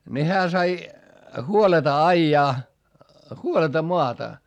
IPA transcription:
ni hæː sɑi huoletɑ ɑijɑː huoletɑ moɑtɑ

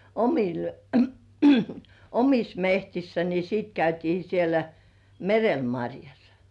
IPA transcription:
omil omis mehtisːæ ni siˑt kæytiː sielæ merel mɑrʲjɑs

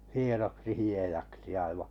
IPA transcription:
hienoksi hiejɑksi ɑiʋɑˑ

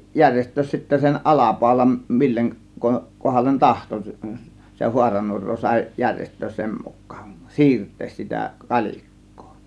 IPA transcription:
jærʲjestˑøːs sitːæ sen ʔɑlɑpɑˑo̝lɑn milːeŋ ko kohɑlːen tɑhto s s se huɑrɑnuorˑoː sɑˑe̝ jærʲjestˑøːs sem mukˑɑ̥ːn̥ siːrtˑeːs sitæ kɑlʲikːo̥ː

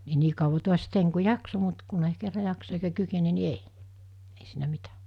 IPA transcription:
ni niː kɑuʋɑ tuɑs teiŋ ku jɑkso mut kunei kerːɑ jɑksɑ eikæ kykene ni ei ei siːnæ mitæ

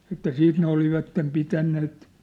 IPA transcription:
etːæ siːt ne oliʋɑtːem pitænːeːt

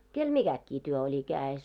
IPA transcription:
kel miɡ̊ækːiː tyø olʲi kæːes

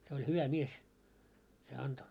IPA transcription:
se olʲ hyʋæ mies se ɑnto

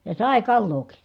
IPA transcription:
jɑ sɑˑe kɑlːoːki

